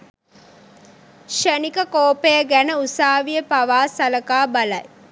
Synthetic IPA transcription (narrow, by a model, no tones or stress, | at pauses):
ʃenikəkoːpejəɡænəusaːʋijəpɐʋaːsɐlɐkaːbɐlɐj